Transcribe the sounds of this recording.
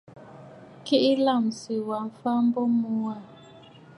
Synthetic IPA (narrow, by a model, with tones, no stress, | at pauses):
ki˦ʔi˦la˦˨msi˨wa˨m˨fa˦m̩˦bɔ˦mu˦a˦˨